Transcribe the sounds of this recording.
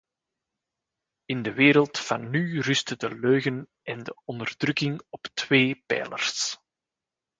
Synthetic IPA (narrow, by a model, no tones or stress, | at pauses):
ɪndəʋeːɾəlˠtfɑnːyrʏstədəløːɣən | ɛndəɔndərdrɵkɪŋɔptweːpɛ̰ːlə̰rs